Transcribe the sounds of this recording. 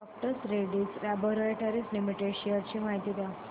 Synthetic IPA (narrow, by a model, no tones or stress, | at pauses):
ɔp̚ʈəsɾeɖit͡slæbəɾəʈaɾislimiʈeɖɕiaɾt͡ɕiːmaɦit̪iːd̪ea